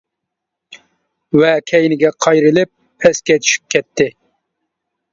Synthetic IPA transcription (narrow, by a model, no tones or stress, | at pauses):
wɛkʲʰɛjnɪɡʲɛqʰɑjɾɪlɪp̚ːʰɛskʲɛt̪ʰi̥ʃy̥p̚kʲʰɛt̪ʰːɪ